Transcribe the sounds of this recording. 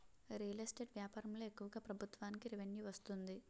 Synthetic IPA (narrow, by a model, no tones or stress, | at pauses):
ɾiːlɐsʈeːɖʋjaːpaːɾɐmlo̞ːekːuʋɐɡaːpɾɐbʱut̪ʋaːnikiɾiʋenjuʋɐst̪und̪i